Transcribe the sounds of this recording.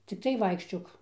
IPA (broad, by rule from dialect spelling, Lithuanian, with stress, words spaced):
t͡sʲɪkˈtɐɪ ˈʋɐɪkʃʲt͡ʃʲoːk